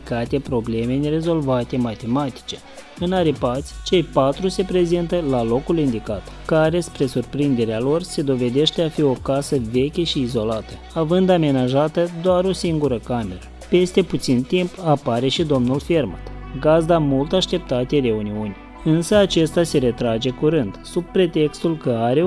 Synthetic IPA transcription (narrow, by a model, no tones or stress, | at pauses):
kat̪e̞pɾo̞ble̞me̞nere̞zo̞lvat̪e̞mat̪e̞mat̪i̥t͡ʃe̞̥ | ɨnaɾipat̪sʲt͡ʃe̞jpat̪ɾuse̞pɾe̞zint̪əlalo̞kulind̪ikat̪ | kaɾe̞spɾe̞surpɾind̪e̞ɾealo̞rse̞d̪o̞ve̞d̪e̞ʃt̪e̞afio̞kasəve̞kʲeʃiːzo̞lat̪ə | avɨnd̪ame̞naʒat̪əd̪oaɾo̞siŋɡuɾəkame̞ɾə | pe̞st̪e̞put̪sint̪impapaɾe̞ʃid̪o̞mnulferma̰t̪ɡazd̪amult̪aʃt̪e̞p̚t̪at̪eɾe̞uniunʲ | ɨnsəat͡ʃe̞st̪ase̞ɾe̞t̪ɾad͡ʒe̞kuɾɨnd̪̥sub̚pɾe̞t̪e̞kst̪ulkəaɾe̞